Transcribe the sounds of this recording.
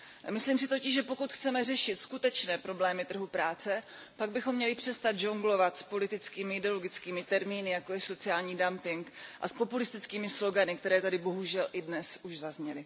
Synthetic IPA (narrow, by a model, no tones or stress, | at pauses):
mɪsliːmsɪt̪o̞cɪʃʒɛpo̞kut̪xt͡sɛmɛrɛʃɪt̪skut̪ɛt͡ʃnɛːpɾo̞blɛːmɪt̪r̩ɦupɾaːt͡sɛ | paɡ̚bɪxo̞mːɲɛlɪpr̝̥ɛst̪ad̪̚ʒoŋɡlo̞vat̪spo̞lɪt̪ɪt͡skiːmɪɪdɛoloɡɪt͡skiːmɪt̪ɛɾmiːnɪjako̞jɛso̞t͡sɪaːlɲiːdampɪŋkʔa̰spo̞pulɪst̪ɪt͡skiːmɪslo̞ɡanɪkt̪ɛɾɛːt̪adɪbo̞ɦuʒɛlʔɪdnɛsʔuʒzazɲɛlɪ